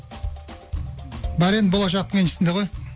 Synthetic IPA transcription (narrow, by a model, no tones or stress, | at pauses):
bæɾenbo̞lˠɑʃ̬ɑq̚t̪əɴenʃɪsɪnd̪eʁo̞j